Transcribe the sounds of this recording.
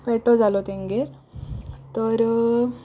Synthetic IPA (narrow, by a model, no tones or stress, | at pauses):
pɛʈɔd͡zalɔt̪eŋɡeɾ | t̪əɾ